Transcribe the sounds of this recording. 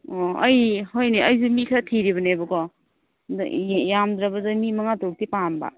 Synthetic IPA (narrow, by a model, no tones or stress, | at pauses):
oɐjhojniɐjzumikʰatʰiɾiβɐnebɐkɔ | d̰jamdɾabazamimaŋatuk̚tipanba̰